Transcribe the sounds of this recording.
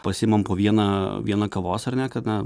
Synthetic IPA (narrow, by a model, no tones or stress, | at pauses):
pɐsʲɪːmɐmpoːʋʲiɛnɐʋʲiɛnɐkɐʋoːsɐrnʲɛkɐt̪nɐ